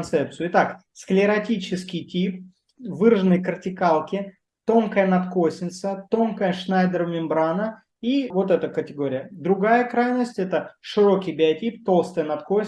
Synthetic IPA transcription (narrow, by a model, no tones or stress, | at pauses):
nt̪sɛp̚t̪sɨjʊɪt̪aksklʲɪɾɐtʲit͡ɕɪskʲɪjtʲip | vɨrʐɨnɨjkərtʲɪkalˠkʲɪ | t̪o̞nkəjənɐt̪ko̞sʲnʲɪt̪sət̪o̞nkəjəʂnajd̪əɾmʲɪmbɾanə | ivo̞t̪ɛt̪əkətʲɪɡo̞ɾʲɪjəd̪ɾʊɡajəkɾajnəsʲtʲɛt̪əʂɨɾo̞kʲɪjbʲɪɐtʲip̚t̪o̞lˠst̪əjənɐt̪ko